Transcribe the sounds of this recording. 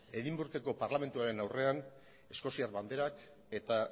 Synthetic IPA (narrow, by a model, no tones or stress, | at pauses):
e̞ðimbuɾk̪e̞ko̞paɾlame̞nt̪uaɾe̞nawre̞an | e̞sko̞siaɾβand̪eɾak | e̞t̪a